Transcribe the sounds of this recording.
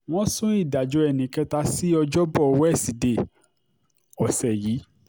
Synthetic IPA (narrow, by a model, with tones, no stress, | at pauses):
w̃ɔ̃˦sũ˦i˦˨da˨d͡ʒɔ˨˧˦ɛ˨nĩ˨˦kɛ˧ta˧si˦ɔ˧d͡ʒɔ˦bɔ˦˨˧wɛ˦˨si˨de˨ | ɔ˨sɛ˨ji˨˦